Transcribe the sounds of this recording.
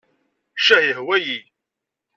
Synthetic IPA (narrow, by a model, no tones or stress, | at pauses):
ʃæhihwæji